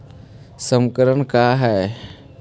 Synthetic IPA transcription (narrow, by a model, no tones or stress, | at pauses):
səmkəɾənkaɦɛː